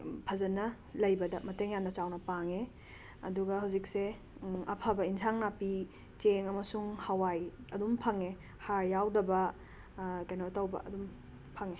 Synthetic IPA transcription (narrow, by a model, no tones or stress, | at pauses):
pʰɐzɐnɐ | lɐjbɐdɐmɐteŋjannɐt͡ʃawnɐpaŋe | ɐ̰duɡɐɦawzik̚se | ɐ̰pʰɐbɐinsʰaŋnapi | t͡ʃeŋɐmɐsuŋhɐwajɐdumpʰɐŋe | haɾjawdɐbɐ | kɐjnoɐtɐwbɐ̰ʔɐ̰dum | pʰɐŋe